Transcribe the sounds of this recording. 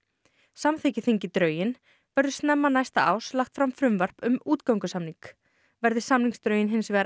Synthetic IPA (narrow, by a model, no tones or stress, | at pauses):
samθecɪθiɲcɪt̪ɾœːɥjɪn | vɛɾðʏst̪nɛmːanajst̪a̰a̰ːwslaxt̪fɾamfɾʏmvar̥pʏmuːt̪kawŋkʏsamniŋk | vɛɾðɪsamniŋkst̪ɾœːɥjɪnɦɪnsvɛːɾ